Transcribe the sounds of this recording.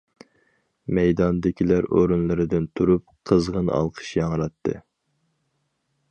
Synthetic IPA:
mɛjd̪ɑnd̪ɪkʲʰilæɾo̰ɾunlˠɨɾɨd̪ɨnt̪ʰuɾup̚qʰəzʁənɨ̰ʔɑ̰lˠqʰə̥ʃjɑŋɾɑt̪ʰːɨ̰

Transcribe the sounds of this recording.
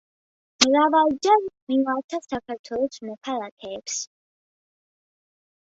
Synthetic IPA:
mɾavald͡ʒamiŋaɾt̪ʰasakʰaɾt̪ʰwɛlɔsmɔkʰalakʰɛːps

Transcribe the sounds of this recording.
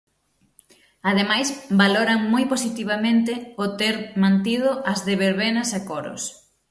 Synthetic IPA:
að̞emajsbaloɾɐŋmojposit̪iβ̞amẽnt̪ɪʊt̪eɾmãnt̪iðʊʔɐzðeβeɾβenɐsakoɾʊ̰s

